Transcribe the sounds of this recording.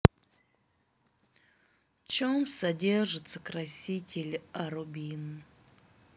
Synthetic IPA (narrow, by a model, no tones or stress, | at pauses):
t͡ʃomsɐdʲerʐɨt̪səkrɐsʲitʲɪlʲaɾubʲinɨ